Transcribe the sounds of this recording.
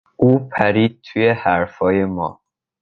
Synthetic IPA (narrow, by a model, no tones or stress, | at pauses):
ʔuːpʰæɾiːd̪̚t̪ʰuːje̞hæɾfɒːje̞mɒ̰ː